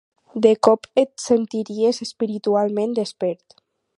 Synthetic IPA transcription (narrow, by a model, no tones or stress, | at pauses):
d̪ekɔpet̪sent̪iɾiezespiɾit̪ualˠmẽnd̪espɛɾt̪